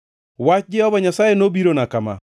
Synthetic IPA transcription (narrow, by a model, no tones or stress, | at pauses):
wat͡ʃd͡ʒɛhɔbaɲasajenobiɾonakama̰